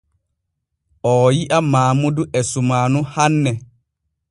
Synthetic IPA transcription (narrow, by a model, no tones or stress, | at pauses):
ɔjiʔamaːmuduʔɛsumaːnuhanːɛ